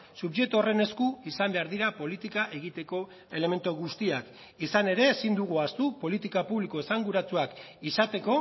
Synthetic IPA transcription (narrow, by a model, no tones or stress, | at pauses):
suβʝe̞k̚t̪ore̞ne̞skuisambe̞aɾðiɾapo̞lit̪ikaʔe̞ɣit̪e̞ko̞ | e̞le̞me̞nt̪uɣust̪iak | isane̞ɾe̞ːsind̪uɣ̞uast̪upo̞lit̪ikapuβlikoe̞saŋɡuɾat͡suak | isat̪e̞ko̞